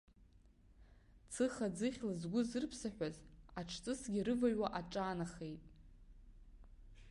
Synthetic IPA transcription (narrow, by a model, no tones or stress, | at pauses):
t͡sʰɨχad͡zɨχʲlɨzɡʷʊzɨrpʰsaħʷᶣazaʈ͡ʂʰt͡sʼɨsɡʲirɨvaɥwaʔaʈ͡ʂʼaːnaχejtʼ